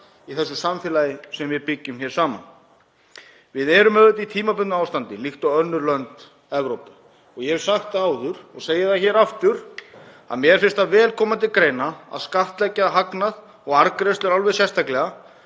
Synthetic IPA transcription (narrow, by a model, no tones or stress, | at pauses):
iθɛsːʏsamθɪlaːjɪsɛmvɪðpɪcːʏmçɛːɾ̥saːma̰n | vɪðɛɾʏmœðʏt̪it̪ʰiːmapʏnaːwst̪ant̪ɪlixt̪awœnːʏɾlœnt̪ | ɛvɾowpʏ | ɔɣjɛɛ̥saxt̪aːwðʏɾɔɣseːjɪθaçɛːɾaft̪ʏɾ | a̰ðmjɛɛɾ̥fɪn̥st̪avɛːlkʰɔːmat̪ʰɪlkɾeːjnaa̰ðskaft̪lɛcːaɦaknað | ɔɣaɾkɾejst̪ʏɾalvɛðsjɛst̪ʰaklɛɣa